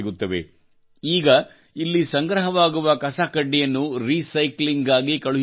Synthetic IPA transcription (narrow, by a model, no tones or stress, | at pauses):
ɡut̪ːɐʋḛ | iːɡɐ | ilːisɐŋɡɾɐɦɐʋaːɡuʋɐkɐsakɐɖːijɐnːuɾisɐjkliŋɡaːɡikɐɭu